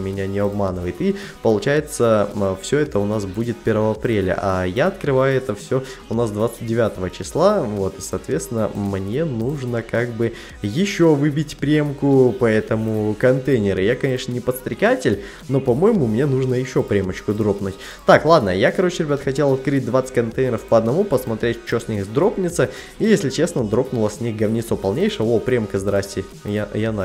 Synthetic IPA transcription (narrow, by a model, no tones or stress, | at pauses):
mʲɪnʲanʲɪɐbmanɨvəjɪt̪ipəlˠʊt͡ɕæjɪt̪səfsʲoɛt̪əʊnasbudʲɪt̪̚pʲe̞ɾvəvəɐpɾʲelʲə̰ʔajaɐt̪kɾɨvajʊɛt̪əfsʲoʊnasd̪vat̪sɨ̥t̚ʲdʲɪvʲat̪əvət͡ɕɪslˠavo̞t̪ɨsɐːt̪vʲe̞t̪st̪ʲɪnːə̰mnʲe̞nuʐnəkaɡbɨ | jɪɕːo̞vɨbʲɪtʲpɾʲe̞mkʊpɐɛt̪əmʊkɐnt̪ejnʲɪɾɨjakɐnʲe̞ʂnənʲɪpət̪st̪ɾʲɪkatʲɪlʲ | no̞pɐmo̞jɪmʊmnʲe̞nuʐnəjɪɕːo̞pɾʲemət͡ɕkʊd̪ɾo̞pnʊtʲ | t̪aklˠad̪nə̰jakɐɾo̞t͡ɕɪɾʲɪbʲat̪xɐtʲe̞lˠɐt̪kɾɨt̚ʲd̪vat̪sə̥tʲkɐnt̪ejnʲɪɾəfpəɐd̪nɐmupəsmɐt̪ɾʲetʲt͡ɕosʲnʲixzd̪ɾo̞pnʲɪt̪sə | ijesʲlʲɪt͡ɕe̞snəd̪ɾo̞pnʊlˠəsʲnʲixɡɐvnʲɪt̪sopɐlˠnʲejʂɨjəopɾʲemkəzd̪ɾasʲtʲɪ | jajana